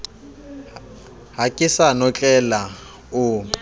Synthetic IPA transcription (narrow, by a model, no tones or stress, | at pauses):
ɦakʼɪsanɔt͡ɬʼɛla | ʊ